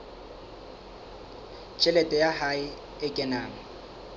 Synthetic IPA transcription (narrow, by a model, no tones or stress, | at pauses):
t͡ʃʼɛlɛtʼɛjahaɪ | ɪkʼɛnaːŋ̩